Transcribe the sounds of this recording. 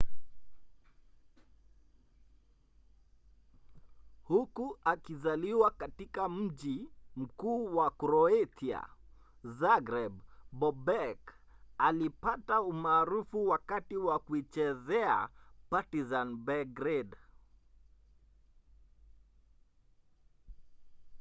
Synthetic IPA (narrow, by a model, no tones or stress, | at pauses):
hukuakizaliwakatikam̩ʄim̩kuːwakɾɔetia̰ | zaɡɾɛbbɔbɛk | alipataumaːɾufuwakatiwakuit͡ʃɛzɛa̰patizanbɛɡɾɛd